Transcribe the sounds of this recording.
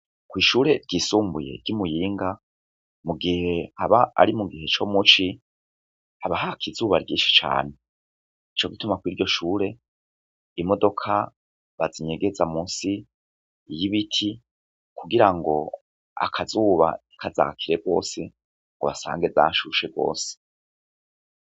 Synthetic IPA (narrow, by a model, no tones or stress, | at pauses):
kwiːʃuːɾe̞ɾɟisuːmbuje̞̰ɾɟimujiːŋɡa | muɡihe̞haβaa̰ɾimuɡihe̞t͡ʃomut͡ʃi | haβaɦakʰizuːβaɾɟiːʃi̥t͡ʃa̰ːne̞ | it͡ʃo̞ɡitumakwiɾɟo̞ʃuːɾe̞ | imo̞do̞kʰa | βaziɲe̞ɡe̞zamuːnsi | jiβitʰi | kʰuɡiɾaŋɡo̞̰ | a̰kʰazuːβa̰ikʰaza̰ːkʰiɾe̞ɡo̞ːse̞ | ŋɡoβasa̰ːŋɡe̞za̰ʃuʃe̞ɡo̰ːse̥